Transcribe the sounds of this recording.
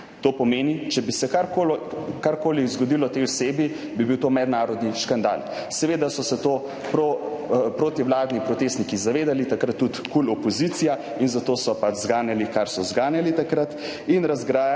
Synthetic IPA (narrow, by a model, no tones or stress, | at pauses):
t̪oːpɔmeːnit͡ʃɛbisɛkaɾkokaɾkoːlizɡɔd̪ilɔt̪eɔseːbi | bibiwt̪oːmɛd̪naːɾɔd̪niʃkand̪a̰ːl | sɛʋeːd̪asɔsɛt̪oː | pɾopɾoːt̪iwlaːd̪nipɾɔt̪eːst̪nikizaʋeːd̪alit̪akɾat̪ːut̪kulɔpɔzit̪sija | inzat̪osɔpad͡ʒzɡaːnjalikaɾsɔzɡaːnjalit̪akɾat̪ | inɾazɡɾa